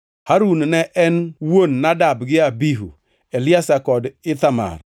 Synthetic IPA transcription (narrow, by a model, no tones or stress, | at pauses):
haɾunnɛʔɛnwonːadabɡɪabiɦṵ | elɪasakɔdɪt̪ama̰r